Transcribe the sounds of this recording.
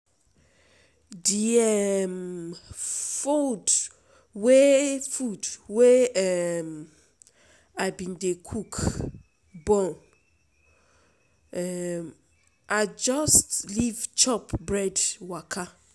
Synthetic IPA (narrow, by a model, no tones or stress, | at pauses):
diɛm | fud | wefudwem | aɪbĩndekʰuk | bɔ̃n | ɛm | ʔad͡ʒɔstlivt͡ʃɔpbɹɛdwakʰa